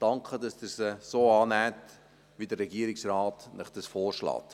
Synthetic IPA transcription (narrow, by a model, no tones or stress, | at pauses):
d̥ɑŋkχədɑsdəɾsəsoːɑːnæːt | ʋidəɾɛɡiəɾɪksrɑːt̪nəχd̥əsfɔːɾʃlɑ̰ːt̪